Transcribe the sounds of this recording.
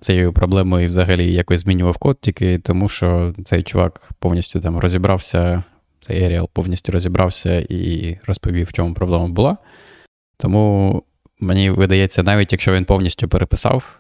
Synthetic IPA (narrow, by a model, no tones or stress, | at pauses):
t̪sɛjjupɾɔblˠɛmʊiwzɐɦɐlʲijɐkɔjʲzmʲinʲʊʋɐwkɔt̪̚tʲikɪt̪ɔmuʃt͡ʃɔt̪sɛjt͡ʃʊʋɑ̰kpɔwnʲisʲtʲʊt̪ɑmrɔzʲibɾʔɑwsʲɐ | sɛ̰jɛɾʲɪa̰lˠpɔwnʲisʲtʲʊɾɔzʲibɾʔɑwsʲɐḭrɔspɔʋʲiwt͡ʃɔmʊpɾɔblˠɛmɐbʊlˠɑ | t̪ɔmu | menʲiʋɪd̪ɐjɛt͡sʲːɐnɑʋʲitʲjɐkʃt͡ʃɔʋʲinpɔwnʲisʲtʲʊpeɾepɪ̥sɑ̰w